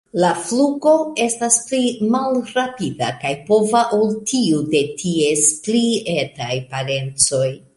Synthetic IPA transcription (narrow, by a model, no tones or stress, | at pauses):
lafluɡo̞e̞stasplimalɾapidakajpo̞vaʔoltʰiude̞tʰiesplie̞tajpaɾe̞nt͡so̞j